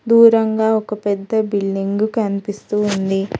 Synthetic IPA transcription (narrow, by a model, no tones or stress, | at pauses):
d̪uːɾɐŋɡaːɔkɐpɛd̪ːɐbilːiŋɡukɐnipist̪uːund̪i